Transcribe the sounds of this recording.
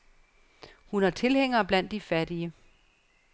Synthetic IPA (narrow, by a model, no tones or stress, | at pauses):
hunæɐt͡sʰe̝lheŋ̰ɐːb̥læn̰d̥ːifædiə